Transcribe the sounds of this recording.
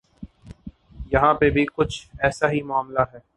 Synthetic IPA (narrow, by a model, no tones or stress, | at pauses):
jɐɦãːpebʱikʊt͡ʃʰɛːsaɦimʊaːmlaɦɛː